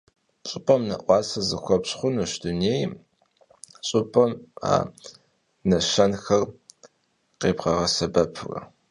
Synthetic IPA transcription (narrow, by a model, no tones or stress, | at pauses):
ɕʼɨpʼɐmnɐ̰ʔʷɑːsɐzɨ̰xʷɔpɕχʷʊnɨʃduneːj | ɕʼʊpʼɐma̰ː | nɐʃɐnxɐr | qeːbʁɐʁɐsɐbɐpʰɨrɐ̰